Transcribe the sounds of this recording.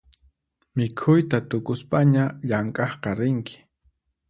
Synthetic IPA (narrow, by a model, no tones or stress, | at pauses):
mɪkʰʊjt̪at̪ʊkʊspaɲaʎaŋkʼɑχqɑɾɪŋkɪ̥